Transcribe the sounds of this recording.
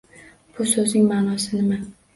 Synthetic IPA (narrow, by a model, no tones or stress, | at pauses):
b̥ʊsɵznɪŋmaːnɒsɪnɪma